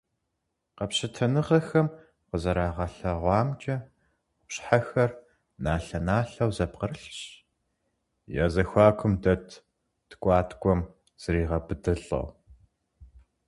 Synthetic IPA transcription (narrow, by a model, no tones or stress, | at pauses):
qɐpɕɐtʰɐnɨʁɐxɐm | qəzɐɾaːʁɐɬɐʁʷɑːmt͡ʃʼɐ | ɕħaxɐr | naːɬɐnaːɬɐwzɐpqərɬɕ | ja̰ːzɐxʷɑːkʷʰʊmdɐtʰ | tkʷʼɑːtʰkʷʼɔm | z̥ɨriːʁɐbɨdɨɬɐ̰w